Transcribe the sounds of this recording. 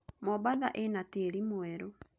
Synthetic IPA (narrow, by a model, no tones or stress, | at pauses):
mɔβaðaʔenateɾimwɛɾo